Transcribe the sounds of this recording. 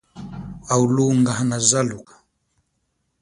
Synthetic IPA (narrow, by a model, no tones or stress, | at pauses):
auluŋɡaɦanazalukḁ